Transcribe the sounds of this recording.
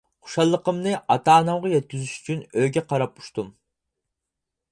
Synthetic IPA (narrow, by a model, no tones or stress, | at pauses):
χu̥ʃɑlˠːəqəmnɨʔɑt̪ɑːnɑwʁɑjɛt̪̚kʲyzyʃy̥t͡ʃʰynøɡʲɛqʰɑɾɑp̚u̥ʃt̪um